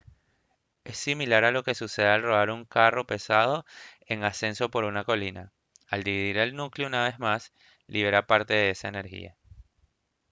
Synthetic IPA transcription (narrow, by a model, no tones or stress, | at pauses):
e̞sːimilaɾalo̞ke̞suse̞ðealro̞βaɾuŋkaro̞pe̞sað̞o̞ | e̞ŋase̞nso̞po̞ɾunako̞lina | ald̪iβiðiɾe̞lnukleunaβ̞e̞zmas | liβeɾapaɾt̪e̞ðe̞e̞saene̞ɾxḭa̰